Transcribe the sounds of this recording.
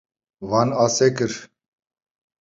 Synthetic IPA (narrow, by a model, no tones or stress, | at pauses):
vanasɛkəɾ